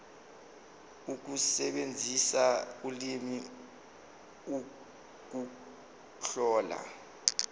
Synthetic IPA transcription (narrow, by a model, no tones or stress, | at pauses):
uk̬usɛɓend͡zʱisak̬ulimi | u | k̬u | ɬɔːla̰